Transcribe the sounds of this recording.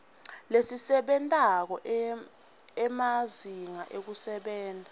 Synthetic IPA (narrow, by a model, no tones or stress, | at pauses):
lesisɛɓɛntʼak̬ɔ | ɛmaziŋaʔek̬usɛɓɛːndʱa